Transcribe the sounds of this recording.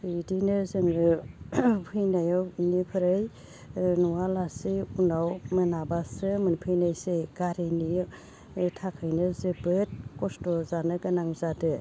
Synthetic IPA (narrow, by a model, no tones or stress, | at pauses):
idinɯzɯŋɾɯ | pʰɯjnajɔwnipʰɯɾɯj | nuwalasiunawmɯnabasɯmɯnpʰɯjnajseɡaɾeni | tʰakʰɯjnɯzɯbɯt̚kɔstɔzanɯɡɯnaŋzadɯ